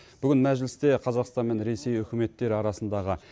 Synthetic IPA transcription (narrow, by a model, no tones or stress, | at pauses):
b̥ʏɡʲɪnmæʒlɪst̪e̞qʰɑzɑqst̪ɑnme̞nɾe̞se̞jʏkʲɪme̞t̪ːe̞ɾɪɑɾɑsənd̪ɑʁə